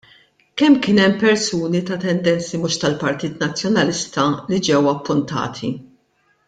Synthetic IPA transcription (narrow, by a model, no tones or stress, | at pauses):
kɛmːkɪːnɛmpɛɾsuːnit̪ɐt̪ɛnd̪ɛnt͡simʊʃt̪ɐlpɐɾt̪iːt̪nɐt͡sːjɔnɐlɪst̪ɐlid͡ʒɛwɐpːʊnt̪ɐ̰ːt̪ʰḭ